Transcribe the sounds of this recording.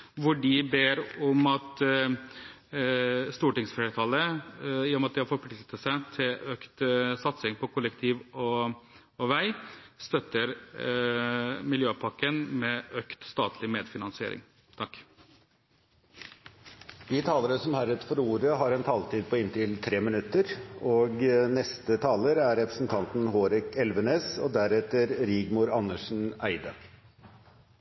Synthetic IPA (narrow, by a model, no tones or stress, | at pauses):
ʋʊɖɪbeːɾɔmɑt̪ | st̪uːʈɪŋsfɛːɾət̪ʰɑləɪjɔmɑt̪d̪ɪhɑɾfɔɾpʰlɪk̪ət̪əsæɪt̪ʰɪløkt̪sɑt̪sɪŋpʰɔkʰʊlːəkt̪ʰiːʋɔː | ʋæɪst̪œt̪ːəɾ | mɪljøːpʰɑkːənmɛøkt̪st̪ɑːt̪ʰlɪmeːd̪fɪnɑnsɪḛːɾɪ̰ŋ | t̪ʰɑkː | d̪iːt̪ʰɑːləɾəsɔmhæɾət̪fɔɾuːɾəɦɑɾɛnt̪ʰɑːlt̪iːd̪̚pɔɪnt̪ɪlt̪ʰɾeːmɪnʉt̪ːəɾoːɡnɛst̪ət̪ʰɑːləɾæɾɾɛpɾə̥sn̩t̪ʰɑnt̪n̩hoːɾɪkɛlʋəneːsɔ̰d̪æɾɛt̪əɾɾiːɡmʊɾɑnːəʂn̩æɪd̪ə